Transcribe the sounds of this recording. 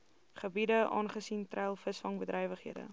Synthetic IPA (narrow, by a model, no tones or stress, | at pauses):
χəbidəʔɑ̰ːnχəsintrɛlˠfəsfɐŋbədɾɛjvəχɦiədə̰